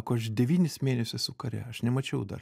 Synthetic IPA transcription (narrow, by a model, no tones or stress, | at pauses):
koɐʃdʲɛʋʲiːnʲɪsmʲeːnʲɛsʲʊssʊkɐɾʲɛ̰ɐʃnʲɛmɐt͡ʃʲɛʊd̪ɐ̰r